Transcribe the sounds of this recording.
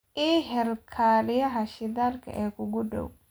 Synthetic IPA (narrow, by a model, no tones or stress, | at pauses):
ʔiɦɛlkʰaːɾɪjɐɦɐʃɪðaːrkʰɐ̰ʔɛːkʰʊɡʊɖɔ̰w